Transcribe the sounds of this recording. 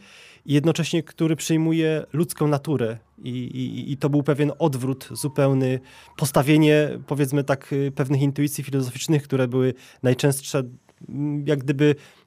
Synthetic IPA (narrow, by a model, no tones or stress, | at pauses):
ijɛd̪nɔt͡ʂɛɕɲɛkt̪uɾɘpʂɘjmujɛlut̪skɔ̃w̃nat̪uɾɛ | iḭːt̪ɔbɘwpɛvʲjɛnɔd̪vɾut̪z̥upɛwnɘ | pɔst̪avʲjeɲɛpɔvʲjɛt̪smɘt̪akpɛvnɘxint̪uit̪sʲjifʲilɔzɔfʲit͡ʂnɘxkt̪uɾɛbɘwɘ | najt͡ʂɛ̃w̃stʂɛ | jaɡd̪ɘbɘ